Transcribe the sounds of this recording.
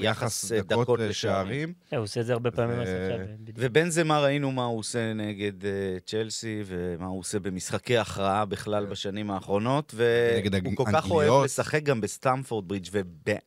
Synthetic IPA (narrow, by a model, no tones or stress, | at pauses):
jaχasd̪ako̞leʃaaimehuseedzeaʁbepaːmimavebe̞nzemaʁainumauose̞neɡe̞d̪et͡ʃe̞lsivemauose̞be̞misχakejaχʁaabiχlalbaʃanimaːχʁo̞no̞tve̞ɡdukolkaχoevle̞saχek̚ɡambest̪amfoʁd̪̚bʁit͡ʃvebe